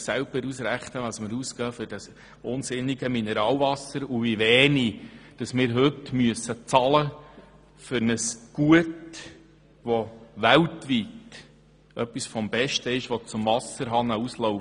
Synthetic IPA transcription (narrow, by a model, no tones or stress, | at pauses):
sælb̥əɾusɾæχtəʋɑsməɾusɡ̥ɑːfʏɾd̥ɑs | ʊnsɪnːiɡəminɛɾɑːlvɑsəɾuviʋɛːnid̥ɑsmɪːɾɦɵtmyəsət͡sɑlə | fʏɾnəsɡ̥uət | ʋɔʋæltʋit | œpːisfɔmbɛʃtəɪʃʋɔt͡sʊmvɑsəɾɦɑnəusloʊ